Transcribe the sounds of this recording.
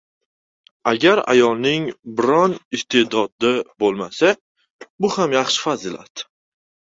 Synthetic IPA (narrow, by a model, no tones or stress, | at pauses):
aɡʲaɾa̰jɒlˠnɪŋbɪɾɒnɪst̪ʰe̞d̪ɒd̪ɪbolˠmasa | bʊhamjaχʃɪ̥fazɪla̰t̪